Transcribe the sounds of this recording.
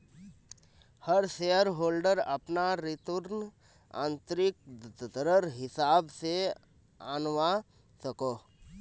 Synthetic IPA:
həɾsejəɾɦoːlɖəɾəpnaɾɪt̪əɾn | ã̰ːnt̪ɾɪk̚d̪ɾəɾɦɪsaːbse | aːnʋa | səkoː

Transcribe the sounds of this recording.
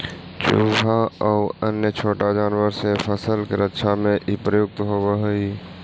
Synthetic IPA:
t͡ʃʊ̰bʱaɔʊənjət͡ʃʰoːʈad͡ʒaːnwəɾsepʰəsəlkeɾətːʃʰamẽʔipɾəjʊɡ̚t̪ɦobəɦʊi

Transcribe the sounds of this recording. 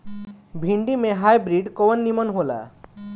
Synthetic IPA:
bʱiɳɖimẽɦajbɾiɖkoʋənːimənɦola̰

